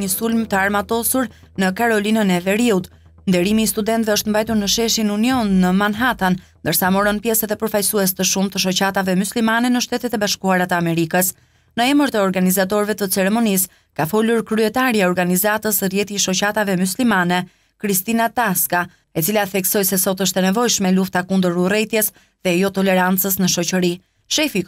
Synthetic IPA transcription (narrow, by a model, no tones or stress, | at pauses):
ɲəsulmt̪əaɾmat̪ɔsuɾ | nəkaɾɔlinənɛvɛɾiut̪ | nd̪ɛɾimiːst̪ud̪ɛnt̪vɛɔʃt̪əmbajt̪uɾnəʃɛʃinuniɔnːəmanɦat̪annd̪əɾsamɔɾɔnpjɛsɛðɛpəɾfajsuɛs̬t̪əʃumt̪əʃɔt͡ɕat̪avɛmuslimanɛnəʃt̪ɛt̪ɛt̪ɛbaʃkuaɾat̪əamɛɾikəs | nəɛməɾt̪əɔɾɡanizat̪ɔɾvɛt̪ət͡sɛɾɛmɔnis | kafɔluɾkɾyɛt̪aɾjaɔɾɡanizat̪əsrjɛt̪iʃɔt͡ɕat̪avɛmuslimanɛ | kɾist̪inat̪aska | ɛt͡silaθɛksɔjsɛsɔt̪əʃt̪ɛnɛvɔjʃmɛluft̪akund̪əɾurɛjt̪jɛs | ðɛjɔt̪ɔlɛɾant͡səsnəʃɔt͡ɕəɾi | ʃɛfi